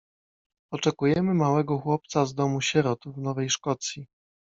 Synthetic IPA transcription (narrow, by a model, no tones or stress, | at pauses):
ɔt͡ʂɛkujɛmɘmawɛɡɔxwɔp̚t̪sazd̪ɔmuɕɛɾɔt̪vnɔvɛjʂkɔt̪sʲji